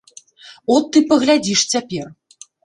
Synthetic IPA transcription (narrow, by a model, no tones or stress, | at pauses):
ɔt̪ːɨpɐɣlʲad͡zʲiʂt͡sʲapʲɛr